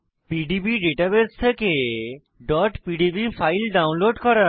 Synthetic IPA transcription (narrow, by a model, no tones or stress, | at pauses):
piɖibiɖeʈabest̪ʰeke | ɖɔʈpiɖibifajlɖawnloɖkɔɾa